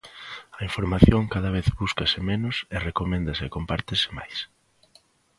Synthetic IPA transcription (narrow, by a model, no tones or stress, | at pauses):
ɐiɱfoɾmaθjoŋkaðɐβ̞eθβuskɐsɪmenʊserekomẽnd̪ɐsɪkompaɾt̪ɪsɪ̥ma̰js